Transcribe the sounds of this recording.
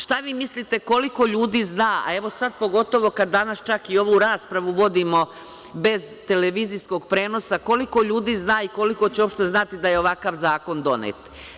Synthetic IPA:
ʃt̪aʋiːmislit̪e̞ko̞liko̞ʎuːd̪iːznaːa̰e̞ʋo̞sad̪̚po̞ɡo̞t̪o̞ʋo̞kad̪ːanast͡ʃakio̞ʋuɾaːspɾaʋuʋo̞d̪imo̞ | be̞zt̪e̞leʋiːzisko̞ɡ̚pɾe̞ːno̞sako̞liko̞ʎuːd̪iːznaːiko̞liko̞t͡ɕeo̞pʃt̪e̞znat̪id̪ajeo̞ʋakaʋzaːko̞nd̪o̞nḛːt̪

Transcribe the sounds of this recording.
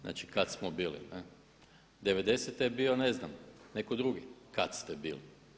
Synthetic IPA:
a̰ːt͡ʃi̥kat̪smobiːlḭne | d̪eʋe̞d̪e̞set̪jebio̞neznamne̞kod̪ɾuɡikat̪st̪ebiːli

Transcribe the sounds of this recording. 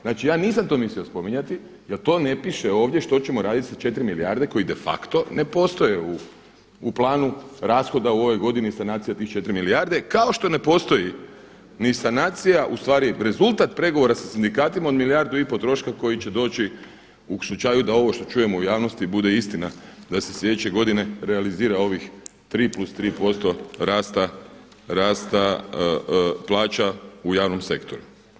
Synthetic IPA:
znaːt͡ʃijaːniːs̬amt̪o̞ːmisliospo̞miɲat̪i | jeɾt̪o̞ːne̞piʃeo̞ːʋd̪ʲjeʃt̪o̞t͡ɕe̞moɾaːd̪it̪isat͡ʃe̞t̪ɾimilia̰ɾd̪e̞ko̞jid̪e̞fa̰kt̪o̞ne̞po̞st̪o̞je̞uː | plˠaːnuɾaːsxo̞d̪auo̞ʋe̞jɡo̞d̪inisanaːt̪sijat̪iːxt͡ʃe̞t̪ɾimiliaɾd̪e̞kao̞ʃt̪o̞ne̞po̞st̪o̞ji | nisanaːt̪sijaʔust̪ʋaːɾiɾe̞zulˠt̪at̪pɾe̞ɡo̞ʋo̞ɾasasind̪ikaːt̪imao̞d̪milijaɾd̪uipo̞t̪ɾo̞ʃkako̞jit͡ʃe̞d̪o̞ːt͡ʃi | uslut͡ʃaːjud̪ao̞ʋo̞ʃt̪o̞t͡ʃuːje̞moujaːʋnost̪ibud̪eist̪inad̪aseslʲʎe̞d̪et͡ʃe̞ɡo̞d̪ine̞ɾealiziːɾao̞ʋixt̪ɾiːplust̪ɾiːpo̞st̪o̞ɾaːst̪a | ɾaːst̪a | plˠaːt͡ʃaujaːʋno̞mse̞kt̪o̞ɾu

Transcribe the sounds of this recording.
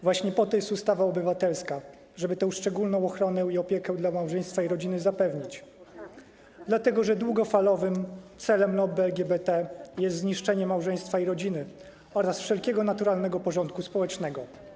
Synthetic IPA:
vwaɕɲɛpɔt̪ɔjɛst̪ust̪avaɔbɘvat̪ɛlska | ʐɛbɘt̪ɛ̃w̃ʂt͡ʂɛɡulnɔ̃w̃ɔxɾɔnɛiɔpʲjɛkɛd̪lamawʐɛj̃st̪faiɾɔd͡ʑinɘzapɛvɲit͡ɕ | d̪lat̪ɛɡɔʐɛd̪wuɡɔfalɔvɘmt̪sɛlɛmlɔbɘɛlɡʲɛbɛt̪ɛjɛst̪zɲiʂt͡ʂɛɲɛmawʐɛj̃st̪faiɾɔd͡ʑinɘ | ɔɾasfʂɛlkʲɛɡɔnat̪uɾalnɛɡɔpɔʐɔnt̪̚kuspɔwɛt͡ʂnɛɡɔ

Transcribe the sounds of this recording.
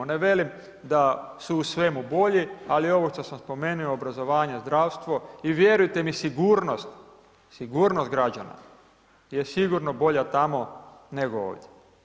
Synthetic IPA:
neʋe̞lim | d̪asuːsʋe̞mubo̞ʎialio̞ʋoʃt̪osamspo̞menuoːbɾazo̞ʋaːɲazd̪ɾaːʋst̪ʋo̞iʋje̞ɾujt̪e̞misiɡuːɾnost̪ | siɡuːɾnost̪̚ɡɾad͡ʑa̰na̰ | jesiɡuɾnobo̞ʎat̪amo̞ | neɡoo̰ːʋdʲje

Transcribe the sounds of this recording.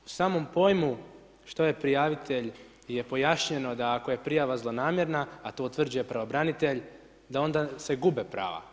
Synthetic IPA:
u̥saːmo̞mpo̞ːjmu | ʃt̪o̞je̞pɾijaːʋit̪ʰe̞ʎ | je̞po̞jaʃɲe̞no̞d̪aːko̞je̞pɾijaʋazlˠo̞naːmje̞ɾnaːt̪o̞ut̪ʋr̩d͡ʑuje̞pɾaʋobɾanit̪e̞ʎ | d̪ao̞nd̪ase̞ɡubepɾa̰ːʋa̰

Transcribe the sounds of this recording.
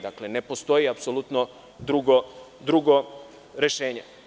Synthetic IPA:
d̪akle̞ne̞post̪o̞jiapsolˠut̪no | d̪ɾuɡod̪ɾuɡo̞ | ɾe̞ʃe̞ːɲe

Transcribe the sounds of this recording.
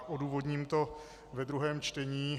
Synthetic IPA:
ʔo̞duːvo̞dɲiːmt̪o̞ | vɛd̪ɾuɦɛːmt͡ʃt̪ɛɲiː

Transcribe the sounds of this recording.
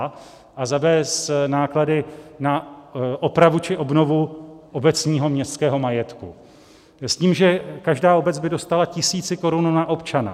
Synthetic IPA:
ʔazavɛːsnaːkladɪnaʔo̞pɾavut͡ʃɪʔo̞bno̞vuʔo̞bɛt͡sɲiːɦo̞mɲɛst̪skɛːɦo̞majɛt̪ku | sciːmʒɛkaʒdaːo̞bɛd͡zbɪdo̞st̪alacɪsiːt͡sɪko̞ɾununaʔo̞pt͡ʃana̰

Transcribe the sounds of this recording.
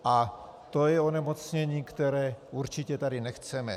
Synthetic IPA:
ʔa | t̪ojɛo̞nɛmo̞t͡sɲɛɲiːkt̪ɛɾɛːʔuɾt͡ʃɪcɛt̪adɪnɛxt͡sɛmɛ̰

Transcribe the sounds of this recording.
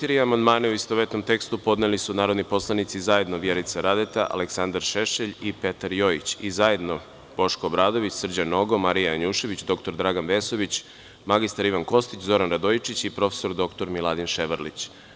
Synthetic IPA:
t̪iɾiamand̪maːneuist̪oʋet̪no̞mt̪e̞kst̪upo̞d̪nelisunaːɾod̪nipo̞slˠanit̪sizaje̞d̪noʋjeɾit̪saɾad̪et̪aʔa̰leksand̪aɾʃeʃeʎipe̞t̪aɾjo̞jit͡ɕizaje̞d̪no | b̥o̞ʃkoːbɾaːd̪o̞ʋit͡ɕsr̩d͡ʑano̞ɡo̞maɾijajaɲuːʃe̞ʋit͡ɕd̪o̞kt̪o̞ɾd̪ɾaɡanʋe̞so̞ʋit͡ɕ | maɡist̪aɾiʋanko̞st̪it͡ɕzo̞ɾanɾad̪oit͡ʃit͡ɕipɾo̞fe̥so̞ɾd̪o̞kt̪oɾmilˠad̪inʃeʋəɾlḭt͡ɕ

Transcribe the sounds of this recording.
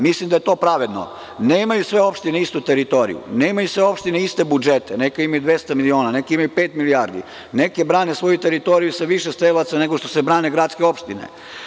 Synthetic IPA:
mislimd̪aje̞t̪o̞ːpɾaʋe̞d̪no̰ | neːimajusʋe̞o̞pʃt̪ineist̪ut̪eɾit̪o̞ɾḭjṵne̞imajusʋe̞o̞pʃt̪ineist̪e̞bud͡ʒet̪enekaimajud̪ʋjest̪amilio̞ːnane̞kiimajupeːt̪miliaːɾd̪ḭ | ne̞kebɾaːnesʋo̞jut̪eɾit̪o̞ɾijusaʋiʃest̪elat̪sane̞ɡoʃt̪osebɾaːneɡɾat̪skeo̞pʃt̪inḛ

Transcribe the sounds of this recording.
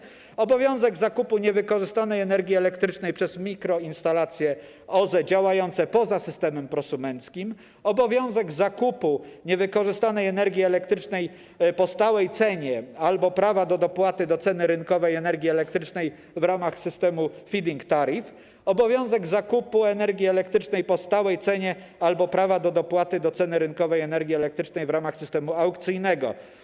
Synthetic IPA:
ɔbɔvʲjɔ̃w̃zɛɡzakupuɲɛvɘkɔʐɘst̪anɛjɛnɛɾɡʲjiɛlɛkt̪ɾɘt͡ʂnɛjpʂɛzmʲikɾɔinst̪alat̪sʲjɛ | ɔzɛd͡ʑawajɔnt̪sɛpɔzasɘst̪ɛmɛmpɾɔsumɛnt̪skʲim | ɔbɔvʲjɔ̃w̃zɛɡzakupuɲɛvɘkɔʐɘst̪anɛjɛnɛɾɡʲjiɛlɛkt̪ɾɘt͡ʂnɛj | pɔst̪awɛjt̪sɛɲɛalbɔpɾavad̪ɔd̪ɔpwat̪ɘd̪ɔt̪sɛnɘɾɘŋkɔvɛjɛnɛɾɡʲjiɛlɛk̚t̪ɾɘt͡ʂnɛj | vɾamaxsɘst̪ɛmufʲid̪ʲiŋkt̪aɾif | ɔbɔvʲjɔ̃w̃zɛɡzakupuɛnɛɾɡʲiɛlɛkt̪ɾɘt͡ʂnɛjpɔst̪awɛjt̪sɛɲɛ | albɔpɾavad̪ɔd̪ɔpwat̪ɘd̪ɔt̪sɛnɘɾɘŋkɔvɛjɛnɛɾɡʲjiɛlɛk̚t̪ɾɘt͡ʂnɛjvɾamaxsɘst̪ɛmuawkt̪sɘjnɛɡɔ̰

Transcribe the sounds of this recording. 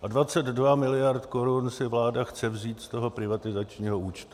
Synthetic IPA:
ʔadvat͡sɛd̪dvamɪlɪjaɾt̪ko̞ɾunsɪvlaːdaxt͡sɛvziːt̪st̪o̞ɦo̞pɾɪvat̪ɪzat͡ʃɲiːɦo̞ʔuːt͡ʃt̪u̥

